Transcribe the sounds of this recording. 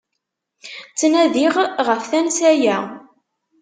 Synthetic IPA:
t͡sːnæðiʁʁəfθænsæjæ

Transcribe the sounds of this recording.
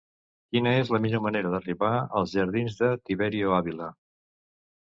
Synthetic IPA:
kinəezləmiʎoməneɾəðəriβaə̰lˠzʒəɾð̞inzðət̪iβɛɾioaβilə

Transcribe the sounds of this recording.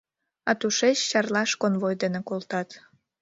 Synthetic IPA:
ɑt̪uʃet͡ɕːɑrlɑʃkonβojd̪enekolˠt̪ɑt̪

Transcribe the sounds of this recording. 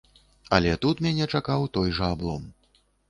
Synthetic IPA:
ɐlʲɛt̪ut̪mʲanʲɛt͡ʂakawt̪ɔjʐɐablˠɔm

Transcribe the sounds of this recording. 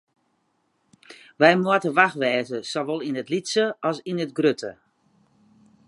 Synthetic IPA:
ʋɛjmuətəʋaxʋɛːzəsoʋolˠinətlitsəɔsinətɡrøtʰə̰

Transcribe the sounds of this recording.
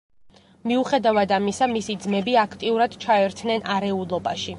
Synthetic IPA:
miuχɛd̪avad̪amisamisid̪zmɛbiakʰt̪ʼiuɾad̪̥t͡ʃʰaɛɾt̪ʰnɛnʔaɾɛulˠɔbaʃi

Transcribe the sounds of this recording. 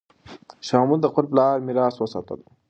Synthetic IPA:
ʃɑːmuld̪əqʊɾplɑːɾmiɾɑːswəsa̰ːt̪ə̰l

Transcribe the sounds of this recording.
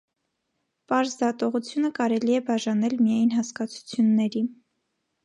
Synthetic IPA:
pɑɾzd̪ɑt̪ɔʁut͡sʰjunəkɑɾɛliɛbɑʒɑnɛlmijɑjnɦɑskɑt͡sʰu̥t͡sʰjunːɛɾi

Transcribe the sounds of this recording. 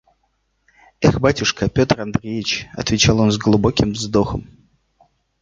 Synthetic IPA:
ɛxbatʲʊʂkəpʲo̞t̪rand̪ɾʲejɪt͡ɕɐ̰t̪vʲɪt͡ɕalˠo̞nzɡlˠubokʲɪmvzd̪oxəm

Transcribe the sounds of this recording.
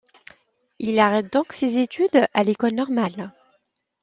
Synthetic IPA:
ilaʁɛt̪̚d̪ɔ̃ksezet̪yd̪alekɔlnɔʁmal

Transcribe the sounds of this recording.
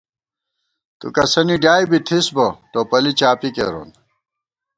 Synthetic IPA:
t̪ṵkɐsɐniɖjaːjbit̪ʰisboʈoːpɐlit͡ɕaːpikḛɾo̰ːn

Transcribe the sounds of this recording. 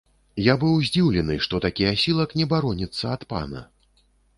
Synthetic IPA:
jabɨwzʲd͡zʲiwlʲɛnɨʂt̪ɔt̪akʲijɐsʲilˠɐknʲɛbaɾɔnʲɛt̪sːɐːt̪pa̰nɐ̰

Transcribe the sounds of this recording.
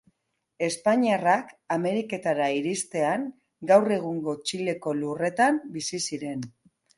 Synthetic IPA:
e̞spaɲiarakame̞ɾike̞t̪aɾaiɾist̪e̞aŋ | ɡawre̞ɣ̞uŋɡo̞t͡ʃile̞ko̞lure̞t̪ambisisiɾe̞n

